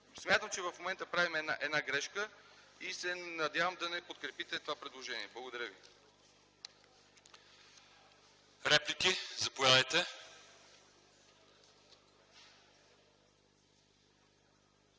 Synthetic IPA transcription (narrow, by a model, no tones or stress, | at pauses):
smʲjat̪əmt͡ʃɛvɐfmomɛnt̪əpɾavimɛnaʔɛd̪naɡɾɛʃkəisɛnɐd̪ʲjavəmd̪ɐnɛpot̪kɾɛpit̪ɛt̪ovapɾɛd̪lˠoʒɛnḭɛblˠɐɡod̪ɐɾʲjəvi | ɾɛplikizɐpojad̪əjt̪ɛ